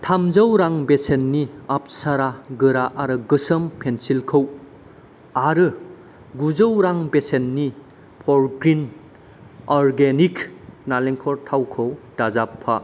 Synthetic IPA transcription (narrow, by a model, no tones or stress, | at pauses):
tʰamzəwɾaŋbesenːiap̚saɾaɡɯɾaʔaɾɯɡɯsəmpʰensilkʰəw | aɾɯ | ɡuzəwɾaŋbesenːi | pʰɔɾɡɾin | ɔɾɡeniknaleŋkʰɔɾtʰawkʰəwd̥azapʰːa